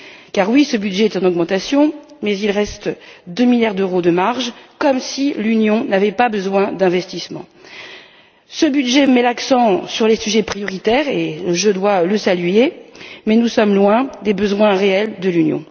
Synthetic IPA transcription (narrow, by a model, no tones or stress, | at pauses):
kaʁwisəbyd̪ʒɛɛt̪ỹnɔɡmɑ̃t̪asjɔ̃mɛzilʁɛst̪d̪ømiljaʁd̪øʁod̪əmaʁʒkɔmsilynjɔ̃navɛpabəzwɛ̃d̪ɛ̃vɛst̪ismɑ̰̃ | səbyd̪ʒɛmɛlaksɑ̃syʁlesyʒɛpχijɔʁit̪ɛʁeləʒød̪waləsalɥemɛnusɔmlwɛ̃d̪ebəzwɛ̃ʁeɛld̪əlynjɔ̰̃